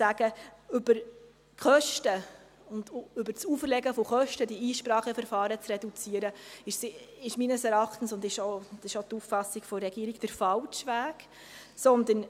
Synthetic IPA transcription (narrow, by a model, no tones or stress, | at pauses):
sæɡ̥əʏbəɾ | kχœʃtə | ʊndʏbəɾt͡sufəɾlɛɡəfoχœʃtədiiːʃpɾɑːχəfəɾfɑːɾət͡srɛdut͡siəɾəɪʃsiɪʃmiːnəsɛɾɑχt̪ən̩sʊndɪʃo̥ɪʃot̪uffɑsiɡ̥fɔrːɛɡ̥iəɾiɡd̥əɾfɑlʃʋæːɡ̥ | sɔnd̪ən